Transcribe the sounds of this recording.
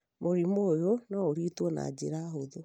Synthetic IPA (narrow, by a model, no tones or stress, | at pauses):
moɾimoːjonɔoɾitwɔna̰d͡ʒḛɾaɦoðo